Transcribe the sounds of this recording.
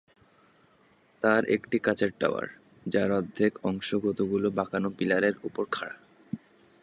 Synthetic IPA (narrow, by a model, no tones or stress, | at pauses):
t̪aɾekʈikat͡ɕaɾʈːa̰oa̰ɾ | d͡ʑaɾɔd̪ʱːekɔŋʃoɡʱot̪oɡulobakanopilaɾeɾupoɾkʰaɽa